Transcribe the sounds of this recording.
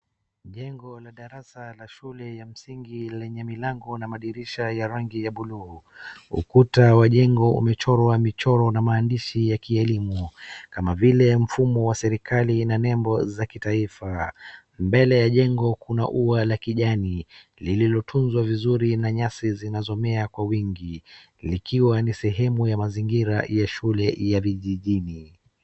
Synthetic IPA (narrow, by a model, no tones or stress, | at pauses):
ʄɛŋɡɔlaɗaɾasalaʃulɛjam̩siŋɡilɛɲɛmilaŋɡɔnamaɗiɾiʃajaɾaŋɡijaɓulu | ṵkutawaʄɛŋɡɔṵmɛt͡ʃɔɾɔwamit͡ʃɔɾɔnamaːndiʃijakiɛlimukamavilɛm̩fumɔwasɛɾikʰalinanɛmbɔzakitaifa | mbɛlɛjaʄɛŋɡɔkuna̰ʔualakiʄani | lililɔtʰunzwavizuɾinaɲasizinazɔmɛakwawiŋɡi | likiwanisɛɦɛmujamaziŋɡiɾa̰jaʃulɛjaviʄiʄini